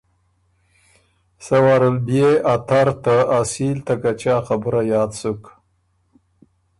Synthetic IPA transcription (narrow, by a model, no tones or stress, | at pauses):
sawaɾəlbjeʔat̪aɾt̪aasiːlt̪akat͡ʃaːxabuɾajɑːd̪suk